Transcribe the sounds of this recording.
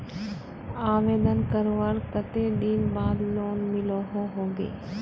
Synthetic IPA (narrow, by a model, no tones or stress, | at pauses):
aːʋeːd̪ənkɐɾʋaːɾkɐt̪ed̪inbaːd̪loːnmɪloɦoɦoːɡḛː